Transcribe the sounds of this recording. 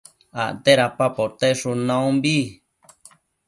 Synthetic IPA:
a̰ʔt̪eɾapapot̪eʂunãũmbi

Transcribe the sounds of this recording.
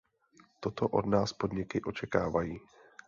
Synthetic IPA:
t̪ot̪oʔo̰dnaːspodɲɪkɪʔo̞t͡ʃɛkaːvajiː

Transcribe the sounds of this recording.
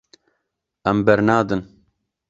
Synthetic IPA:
ɛmbɛɾnaːd̪ɨn

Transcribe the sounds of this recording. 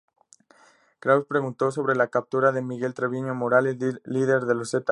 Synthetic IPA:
kɾawspɾeɣunt̪o̞so̞βɾelakap̚t̪uɾaðemiɣe̞lt̪ɾeβiɲomoɾalezlið̞eɾðeloset̪a

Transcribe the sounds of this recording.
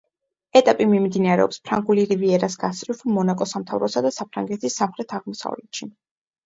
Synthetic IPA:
ɛt̪ʼapʼimimd̪inaɾɛ̰ɔ̰pspʰɾaŋɡuliɾiviɛɾasɡasʼɾifmɔnakʼɔsamt̪ʰavɾɔsad̪asapʰɾaŋɡɛt̪ʰisːamχɾɛt̪ʰaʁmɔsa̰vlɛt̪ʃi

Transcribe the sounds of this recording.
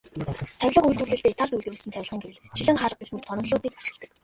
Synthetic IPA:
t̪ʰæwʲɮə̆qujɮt̪wɘ̆rɮɘ̆ɬt̪eːet̪ʰaɮt̪uɮt̪uɾɘ̆sɘnt̪ʰæw̆ʲɮʁiːŋɡeɾɘ̆ɮt͡ɕʰiɮɘ̆ŋχaɮ̆̚pixnɘ̆wt̪ʰɔnɞ̆ɮʊːt̪iːk̚pḁʃɪ̆kt̪ɘ̆k̚

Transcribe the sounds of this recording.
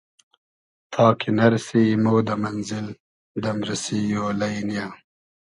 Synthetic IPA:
t̪ʰɑːkʰinɐɾsimoːd̪amanzɪl | d̪ɐmɾɐsijoːlajnijaː

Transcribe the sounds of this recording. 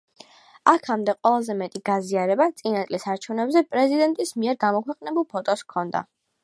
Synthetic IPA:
akʰamd̪ɛqʼwɛlˠazɛmɛt̪ʼiɡaziaɾɛbat̪sʼinat̪sʼlisaɾt͡ʃʰɛvnɛbzɛpʼɾɛzid̪ɛnt̪ʼismiɛɾɡamɔkʰwɛqʼnɛbulˠpʰɔt̪ʼɔskʰɔnd̪a̰

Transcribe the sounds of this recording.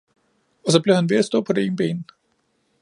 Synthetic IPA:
ɒ̽s̬ɒ̽b̥lehænʋe̝æsd̥ɔ̰ːpʰɒdeḛːn̩b̥ḛːnn̩

